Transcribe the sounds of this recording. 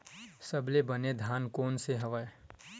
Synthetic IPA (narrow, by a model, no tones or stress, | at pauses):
səblebəned̪ʱaːnkoːnseɦɐʋəe